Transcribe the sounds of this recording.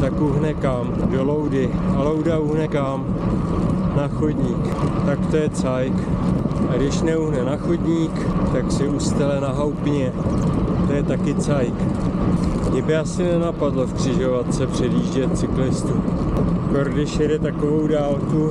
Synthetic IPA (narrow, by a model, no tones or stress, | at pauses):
t̪akuɦnɛkamdo̞lo̞wdɪalowdauɦnɛkam | naxodɲiːk | t̪akt̪o̞jɛt͡sajkʔaɡdɪʃnɛuɦnɛnaxodɲiːkt̪aksɪust̪ɛlɛnaɦawpɲɛ | t̪o̞jɛt̪akɪt͡sajk | ɲɪbɪasɪnɛnapadlofkr̝̥ɪʒo̞vat̪t͡sɛpr̝̥ɛdiːʒɟɛt̪t͡sɪklɪst̪uːpɾoɾɡdɪʃjɛdɛt̪ako̞vo̞wdaːlku